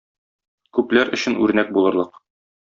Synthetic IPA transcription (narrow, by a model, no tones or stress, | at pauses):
kʉplæɾʔɵ̆ɕɘ̆nʉ̰ɾnæk̚bulˠɤ̆ɾlˠɤq